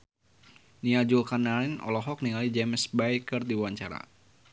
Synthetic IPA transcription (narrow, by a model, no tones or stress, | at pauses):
niad͡ʒulkanaɾinɔ̰lɔɦɔk̚niŋalid͡ʒɛmsbajkərdiwaɲt͡ʃa̰ɾa̰